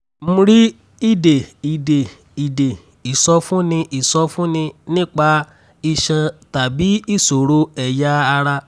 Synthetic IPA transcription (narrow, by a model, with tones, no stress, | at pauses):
m̩̃˦˧ɾi˦ | i˦˨de˨i˨de˨ | i˨de˨ | i˨sɔ˧fũ˦nĩ˧ʔi˨sɔ˧fũ˦nĩ˧nĩ˦k͡pa˧ | i˧ʃɛ̃˧ta˨bi˨˦i˦˨so˨ɾo˧˦ɛ˨jaː˦˧ɾa˧